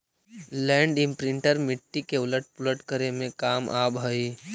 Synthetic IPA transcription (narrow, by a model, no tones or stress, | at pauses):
lɛ̃ːɳɖɪ̃mpɾɪɳʈəɾmɪʈːikeʊləʈ̚pʊləʈkəɾemẽkaːmʔaːbɦəi